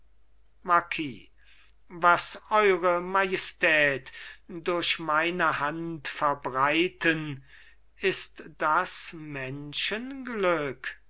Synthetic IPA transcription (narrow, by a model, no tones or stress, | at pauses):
makʰiː | vasʔɔʏʁəmajɛstʰɛːtdoɐʃmaɪnəhantfɛɐbʁaɪtən | ɪst̪d̥asmɛnʃənɡlʏk